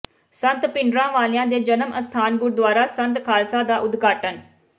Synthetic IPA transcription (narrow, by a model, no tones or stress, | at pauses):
sənt̪pɪɳɖɾãːʋaːlɪjãːd̪eːd͡ʒənəməst̪ʰaːnɡʊɾd̪ʊaːɾaːsə̃nt̪kʰaːlsaːd̪aːʔʊd̪ɡaːʈən